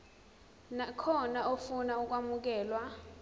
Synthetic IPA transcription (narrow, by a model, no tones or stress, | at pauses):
nakʰɔnaofunauk̬ʼwamuk̬ɛːlwa